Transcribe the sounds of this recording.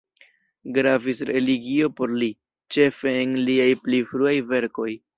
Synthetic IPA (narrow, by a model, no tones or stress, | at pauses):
ɡɾavisɾe̞liɡio̞po̞ɾli | t͡ʃe̞fe̞ːnliajplifɾuajve̞ɾko̞j